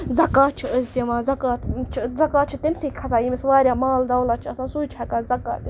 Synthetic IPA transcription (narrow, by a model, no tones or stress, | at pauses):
zɐkaːt͡ʃʰiəzt̪imãːzɐkaːt̪t͡ʃʰizɐkaːt̪̚t͡ʃʰit̪emsiːkʰɐsaːjimisʋaːɾʲjaːmaːld̪ɐwlaːt͡ʃʰiɐsãːsuːjt͡ʃʰakaːzɐka̰ːt̪i